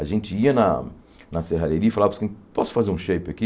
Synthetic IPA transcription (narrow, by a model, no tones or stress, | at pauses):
aʒẽnt͡ʃɪiɐnɐ | nɐseɦaleɾiɐifalavɐpskẽpɔsʊ̥fazeɾũʃejpɪɐki